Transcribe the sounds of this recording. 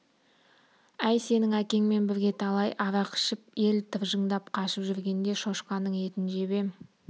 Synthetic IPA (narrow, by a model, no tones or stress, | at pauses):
æjse̞nɪŋækʲe̞ŋme̞nbɪɾɡʲe̞t̪ʰɑlˠɑjʔɑɾɑqʰə̥ʃɪpe̞lt̪ʰɨpʒəɴd̪ɑp̚qʰɑʃəpʒʏɾɡʲe̞nd̪e̞ʃo̞ʃqɑnəɴe̞t̪ɪnʒe̞be̞